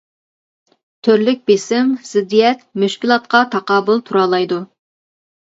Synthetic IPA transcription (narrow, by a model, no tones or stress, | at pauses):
t̪ʰøɾlɪk̚ʲbesɪmz̥ɪd̪ijɛt̪myʃkʲilˠɑt̪̚qɑt̪ʰɑqɑːbʊlˠt̪ʰuɾɑːlˠɑjd̪u